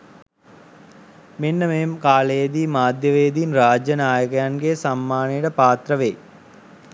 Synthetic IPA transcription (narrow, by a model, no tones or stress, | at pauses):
menːəmeːmkaːlejd̪iːmaːd̪ʱjɐʋeːd̪inraːd͡ʒjɐnaːjɐkɐjanɡesamːaːnijɐʈəpaːt̪rɐʋeː